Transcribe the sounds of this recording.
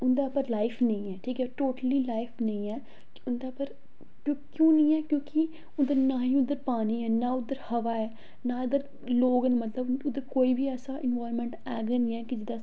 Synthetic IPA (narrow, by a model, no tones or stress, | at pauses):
ʊnd̪aːpəɾlaːɪpʰnə̃ĩːɛːʈʰiːkɛːʈoːʈəliːlaːɪfʰnə̃ĩːɛː | kʊnd̪aːpəɾ | kõkjõːnəĩːɛːkjõːkɪ | ʊd̪əɾnaːɦĩːʊd̪əɾpaːniːɛːnaːʊd̪əɾhəʋaːɛː | naːʊd̪əɾ | loːɡənmət̪ləbʊd̪əɾkoːiːbʱiːɛːsaːʔɪnʋaːɾmɛ̃ːɳʈɛːɡənĩːɛːkɪd͡ʒɪd̪aː